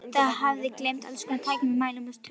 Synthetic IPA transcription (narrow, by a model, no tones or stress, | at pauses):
θaɦavðɪklɛjmt̪a̰lskʰɔnat̪ʰaːjcɪnmɛmaːjlɪmast̪ʰ